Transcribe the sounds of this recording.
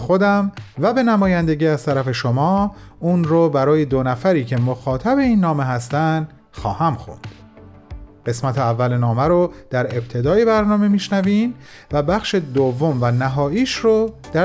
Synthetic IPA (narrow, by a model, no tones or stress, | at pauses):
xod̪æmvæbe̞næmɒːjænd̪e̞ɟiːæzt̪ʰæɾæfe̞ʃomɒː | unɾobæɾɒːje̞d̪onæfæɾiːcʰe̞moxɒːt̪ʰæbe̞iːnːɒːme̞ɦæst̪ænd̪ | xɒːhæmxo̰nd̪̥ | ɢe̞smæt̪ʰeævːælenɒːmæɾod̪̥æɾe̞b̥̚t̪ʰe̞d̪ɒːjebæɾnɒːme̞miːʃnæviːm | væbæxʃe̞d̪ovːomvænæɦɒːʔiːʃɾod̪̥æ